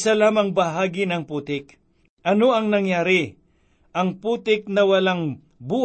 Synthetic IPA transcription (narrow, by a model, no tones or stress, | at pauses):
sɐlaːmɐŋbɐɦaːɡɪnɐŋpuːt̪ɪk̚ | ʔɐno̞ɐŋnɐŋjaːɾɪ | ʔɐŋpuːt̪ɪk̚nɐwɐlaŋ | buː